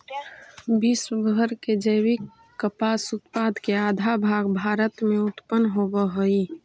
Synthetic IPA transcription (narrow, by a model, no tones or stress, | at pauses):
biːsbʱəɾked͡ʒəwikː | əpaːsʊt̪paːd̪keaːd̪ʱabʱaːɡbʱaːɾət̪mẽʊt̪pənːɦobəɦoi